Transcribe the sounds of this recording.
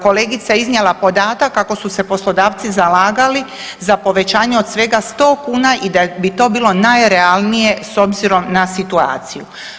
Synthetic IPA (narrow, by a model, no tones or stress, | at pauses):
ko̞le̞ːɡit̪saiznjelapo̞d̪aːt̪akːako̞suse̞po̞slo̞d̪aːʋt̪sizalaːɡali | zapo̞ʋe̞t͡ɕaːɲeo̞d̪̥sʋe̞ɡast̪o̞ːkuːnaʔid̪abit̪o̞ːbiːlˠo̞najɾealˠnije̞so̞bziɾo̞mnasit̪ua̰ːt̪siju